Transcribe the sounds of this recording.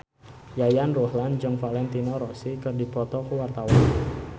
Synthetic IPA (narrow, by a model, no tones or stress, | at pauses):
jajanrohland͡ʒɔŋfalɛnt̪inɔɾɔsikərdipɔt̪ɔkuwart̪awan